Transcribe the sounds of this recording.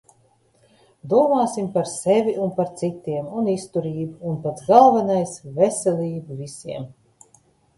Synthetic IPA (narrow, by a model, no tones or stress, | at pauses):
d̪uɔmaːsimpaɾsɛvʲiunpaɾt̪sit̪ːiɛmunist̪uɾiːbuːnpat̪sɡalˠvanajsvɛsʲɛlʲiːbuvisʲiɛm